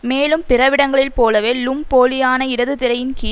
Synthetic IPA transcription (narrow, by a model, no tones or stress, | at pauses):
meːlɯmpɪrɐʋɪɽɐŋɡɐɭɪlpoːlɐʋeːlʊmpoːlɪjaːnɐɪɽɐðɯt̪ɪɾɐjɪnkiː